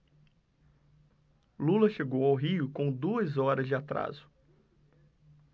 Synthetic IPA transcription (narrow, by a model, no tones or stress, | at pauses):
lulɐʃeɡowawɦiʊkõw̃d̪uɐzɔɾɐzd͡ʒɪat̪ɾa̰zʊ̥